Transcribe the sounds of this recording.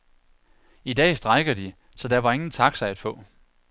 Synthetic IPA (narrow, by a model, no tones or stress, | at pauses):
id̥ɛ̰ːsd̥ʁɑ̈ɪɡ̥ɐd̥i | sɒ̽d̥æʋɑ̈e̝ŋn̩t͡sʰɑ̈ɡ̥sɑ̈ɪæd̥fɔ̰̽ː